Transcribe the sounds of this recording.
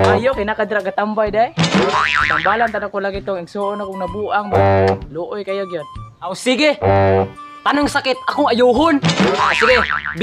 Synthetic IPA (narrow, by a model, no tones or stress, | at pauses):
ʔajokanakad̪ɪɾaʔɡat̪ambajdaj | t̪ambalant̪anakolaɡit̪oŋɪɡsoʔonakʊŋnabuʔaŋbaloʔojkajoɡjon | aosiɡɪ | p̪anʊŋsakɪt̪̚akʊŋajuɦʊnsiɡɪb